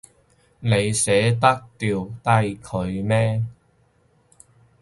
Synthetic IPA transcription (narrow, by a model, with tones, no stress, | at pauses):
ne˨˧jsɛː˨˥t̪ɐ˥k̚t̪iː˨wt̪ɐ˥jkʰɵ˨˧ɥmɛː˥